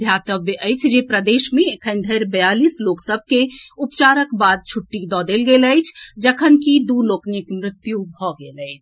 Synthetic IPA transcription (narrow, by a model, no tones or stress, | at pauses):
d̪ʱjat̪əbjəʔəjt͡ʃʰd͡ʒepɾəd̪eʃmẽːkʰənd̪ʱəɾbəjalisloksəb̚ʱkeupt͡ʃaɾəkbad̪̚t͡ʃʰuʈːid̪ɔd̪elɡeləjt͡ʃʰd͡ʒəkʰənkid̪uloknikmɾɪt̪jubʱɔɡeləɪt͡ʃʰ